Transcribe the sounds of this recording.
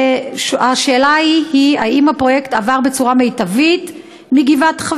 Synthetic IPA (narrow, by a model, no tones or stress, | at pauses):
ʃaʃe̞ːlaihiaimhapʁo̞jektavaʁbe̞t͡suʁame̞jtavit | miɡivatχa